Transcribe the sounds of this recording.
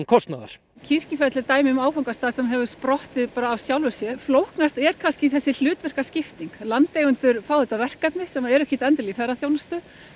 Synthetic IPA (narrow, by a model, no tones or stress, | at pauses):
nkʰɔst̪naða̰ɾ̥ | cʰir̥cɪfɛt̪lɪt̪aːjmɪmaːwfawŋkast̪aːðsɛmɦɛvʏ̥spɾɔht̪ɪðpaːɾaːvsjawlvʏsjɛflowhknast̪ɛɾ̥kʰanscɪiθɛsːɪl̥ʏːt̪vɛr̥kascɪft̪iŋklant̪ejɣʏnt̪ʏɾfaːwðʏt̪avɛr̥kat̪nɪsɛmaɛɾɛhkcɪt̪ɛnt̪ɪlifɛɾaθjownast̪ʏ